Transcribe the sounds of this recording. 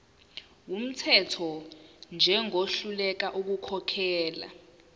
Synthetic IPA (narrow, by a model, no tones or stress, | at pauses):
wum̩tʰɛtʰɔnd͡ʒʱɛŋoɬulɛk̬aʔuk̬ukʰɔkʰɛːla̰